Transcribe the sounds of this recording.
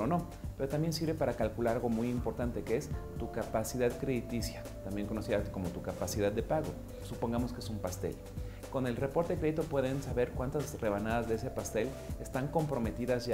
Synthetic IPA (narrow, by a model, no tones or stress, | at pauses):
ono̞ | pe̞ɾo̞t̪ambje̞nsiɾβe̞paɾakalkulaɾaɣo̞mujimpo̞ɾt̪ant̪e̞keest̪ukapasiðaðkɾeðit̪isja | t̪ambje̞ŋko̞no̞siðako̞mo̞t̪ukapasið̞aðːe̞paɣo̞̰ | supo̞ŋɡamo̞skeesumpast̪e̞̰ʎ | ko̞ne̞lre̞po̞ɾt̪ekɾe̞ðit̪o̞pwe̞ðe̞nsaβe̞ɾkwant̪azre̞β̞anaðazðeese̞past̪e̞l | est̪aŋko̞mpɾo̞me̞t̪iðazʝa